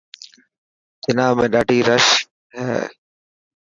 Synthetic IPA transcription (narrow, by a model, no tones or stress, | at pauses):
d͡ʒɪnaːmẽːɗaːɖʱiːɾəʃ | ɦɛ̰ː